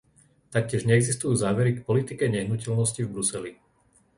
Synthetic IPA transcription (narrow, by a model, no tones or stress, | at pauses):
t̪ak̚cɪɛʒɲɛɛɡzist̪ujuːzaːʋɛɾikpɔlit̪ikɛɲɛɦnucɛlnɔscivbɾusɛli